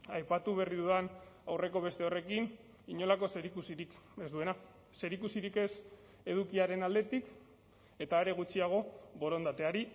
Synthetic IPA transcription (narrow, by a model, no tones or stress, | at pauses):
ajpat̪uβe̞riðuðanawre̞ko̞β̞e̞st̪eo̞re̞kin | iɲo̞lako̞se̞ɾikusiɾik | ezd̪ue̞na | se̞ɾikusiɾike̞s | e̞ðukiaɾe̞nald̪e̞t̪ik | e̞t̪aeɾe̞ɣ̞ut͡ʃiaɣ̞o̞bo̞ɾo̞nd̪at̪e̞aɾi